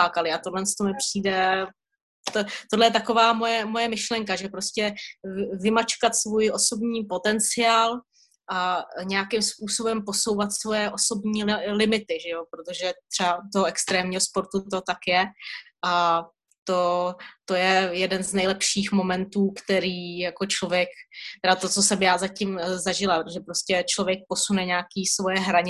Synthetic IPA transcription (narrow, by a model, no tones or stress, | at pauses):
aːkalɪat̪o̞dlɛnst̪o̞mɪpr̝̥iːdɛ | t̪ot̪odlɛjɛt̪ako̞vaːmo̞jɛmo̞jɛmɪʃlɛŋkaʒɛpɾo̞scɛ | vɪmat͡ʃkat̪svuːjʔo̞so̞bɲiːpo̞t̪ɛnt͡sɪaːl | ʔaɲɛjakɪmspuːso̞bɛmpo̞so̞wvat̪svo̞jɛʔo̞so̞bɲiːlɪmɪt̪ɪʒɛjo̞pɾot̪o̞ʒɛt̪r̥ɛbat̪oɦoɛkst̪ɾɛːmɲiːɦo̞spo̞ɾt̪ut̪ot̪akjɛʔa | t̪o̞t̪o̞jɛjɛdɛnznɛjlɛpʃiːxmo̞mɛnt̪uːkt̪ɛɾiːjako̞t͡ʃlovjɛkt̪ɛdat̪ot͡sosɛmjaːzacɪmzaʒɪlapɾot̪oʒɛpɾoscɛt͡ʃlovjɛk̚po̞sunɛɲaakiːsvo̞jɛɦɾaɲɪ